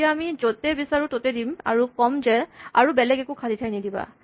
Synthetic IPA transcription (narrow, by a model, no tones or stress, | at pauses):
aamizotɛbisaɹutotedima̰ɹukɔmzɛaɹubɛlɛɡɛkukʰaditʰajnidiba̰